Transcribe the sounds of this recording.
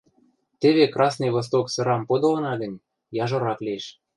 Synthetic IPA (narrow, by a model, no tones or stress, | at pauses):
t̪eβekrɑsnɤjβos̬t̪oksɤ̆ɾɑmpod̪ŏlɤ̆nɑɡə̆nʲ | jɑʒoɾɑklieʃ